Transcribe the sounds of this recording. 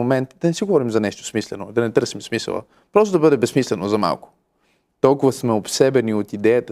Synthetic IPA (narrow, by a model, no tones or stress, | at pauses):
omɛnt̪d̪ɐnɛsiɡovɔɾimzɐnɛʃt̪o̥smislɛnod̪ɐnɛt̪ɤɾsimsmisə̰lˠə̰ | pɾɔst̪od̪ɐbɤd̪ɛbɛsmislɛnozɐma̰lˠkʊ̥ | t̪ɔlˠkʊvɐsmɛopsɛbɛniot̪id̪ɛjət̪ə